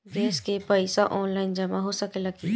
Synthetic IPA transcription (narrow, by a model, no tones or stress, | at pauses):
ɡɛːskepəɪsaʔɔːnlaːɪnd͡ʒɐmaɦosəkelɐɡi